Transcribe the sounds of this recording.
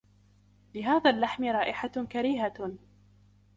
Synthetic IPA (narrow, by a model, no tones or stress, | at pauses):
lɪɦaːðaːlːaħmɪɾˤɑːʔɪħakaɾiːɦa